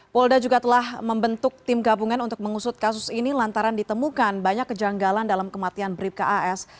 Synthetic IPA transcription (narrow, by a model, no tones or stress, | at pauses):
pɔldad͡ʒuɡat̪əlahməmbənt̪ʊk̚t̪ɪmɡabuŋanunt̪ʊk̚məŋusʊt̪̚kasʊsinilant̪aɾandit̪əmukanbaɲakːəd͡ʒaŋɡalandalamkəmat̪ianbɾip̚kaʔaʔɛs